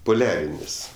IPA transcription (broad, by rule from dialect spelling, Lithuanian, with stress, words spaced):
poːˈlʲæːrʲɪnʲɪs